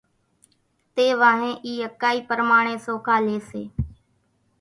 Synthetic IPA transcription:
t̪eːʋaːɦẽːʔiːəkːaːiːpəɾmaːɳẽːsoːkʰaːleːseː

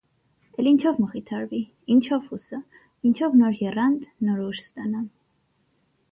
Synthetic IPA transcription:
t̪ʼɛlint͡ʃʰɔfmɔχit̪ʰaɾvi | int͡ʃʰɔfusa | int͡ʃʰɔvnɔɾʒɛɾand̪nɔɾuʃsd̪anam

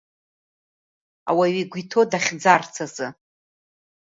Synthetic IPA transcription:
a̰waɥiɡʷitʰo̞daχʲd͡zart͡sʰazɨ

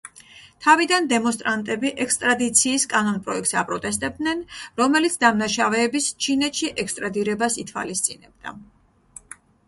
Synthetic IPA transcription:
t̪ʰavid̪and̪ɛmɔnst̪ʼɾant̪ʼɛbiʔɛkst̪ʼɾad̪it̪sʰiːskʼanɔnpʼɾɔɛk̚t̪sapʼɾɔt̪ʼɛs̬t̪ʼɛb̚d̪nɛnɾɔmɛlit̪sʰd̪amnaʃavɛːbist͡ʃʰinɛt̪ʃiʔɛkst̪ʼɾad̪iɾɛbasit̪ʰwa̰list̪sʼinɛb̚d̪a̰

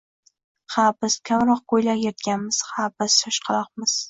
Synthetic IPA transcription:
habɪskʲʰamɾɒq̚kojlaɾjet̪ɡʲanmɪz̥habɪst̪ɒʃqʰɑlˠɒq̚mɪz̥

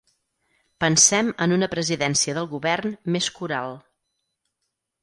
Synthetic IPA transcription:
pənsɛmənunəpɾəziðɛnsiəðəlˠɣuβɛrnmeskuɾalˠ

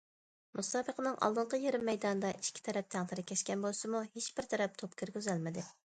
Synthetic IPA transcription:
musɑːbəqʰənɨŋʔɑ̰lˠd̪ɨɴqʰəjeɾɪmːɛjd̪ɑnɨd̪ɑʔi̥ʃkʲʰi̥t̪ʰɛɾɛp̚t̪ʰæŋt̪ʰɪɾɪkʲʰɛʃkʲɛnbolˠsɨmuheʃb̥ɪɾt̪ʰɛɾɛp̚t̪ʰopkʲʰiɾɡʲøzɛlmɪd̪ɪ

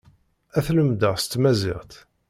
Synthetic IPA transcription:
æθləmd̪əʁst̪ːmæzɪ̰ʁt̪

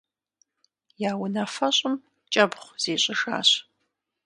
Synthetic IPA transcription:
jaːwʊnafɐɕʼʊm | t͡ʃʼɐbχʷz̥eːɕʼɪʂa̰ːɕ

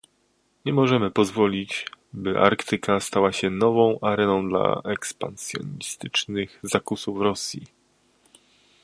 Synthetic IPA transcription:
ɲɛmɔʐɛmɘpɔzvɔlʲit͡ɕbɘʔa̰ɾkt̪ʰɘkʰast̪awaɕɛnɔvɔ̃w̃ʔaɾɛnɔ̃w̃d̪la̰ʔɛkspa̰nsʲjɔ̰ɲist̪ɘt͡ʂnɘɣzakusufɾɔsʲji

